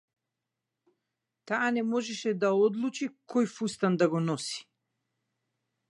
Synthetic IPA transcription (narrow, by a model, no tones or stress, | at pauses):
t̪aːnɛmɔʒɛʃɛd̪aɔd̪lˠut͡ʃikʰɔjfust̪and̪aɡɔnɔsi̥